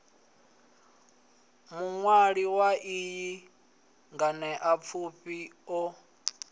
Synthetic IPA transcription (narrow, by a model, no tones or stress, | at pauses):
muŋwaɺiwaʔiji | ŋɡanɛʔap̪fʰuɸiɔ